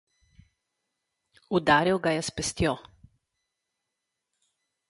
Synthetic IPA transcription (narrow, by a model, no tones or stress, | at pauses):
ud̪aːɾiwɡajɛspɛst̪jo